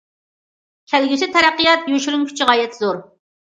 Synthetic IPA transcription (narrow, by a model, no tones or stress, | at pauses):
kʲʰɛlɡʲysɪt̪ʰɛɾæqːɨjɑt̪joʃyɾuŋkʲʰy̥t͡ʃʰiʁɑjɛt̪ʰzoɾ